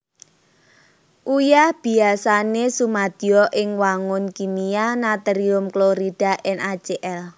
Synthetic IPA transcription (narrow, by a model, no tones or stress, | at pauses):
ʔujahb̥i̤asanesumad̪̥iɔʔɪŋwaŋʊnkinianat̪əɾiʊmkloɾid̥a̤ʔɛnʔḁd͡ʒ̥eʔɛl